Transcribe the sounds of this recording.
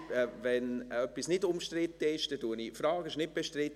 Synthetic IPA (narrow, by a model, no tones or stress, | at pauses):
vɛnœpːisnɪdʊmʃtɾɪt̪ːəɪʃd̥ɛduənifɾɑːɡɪʃnɪt̚b̥eʃtɾɪt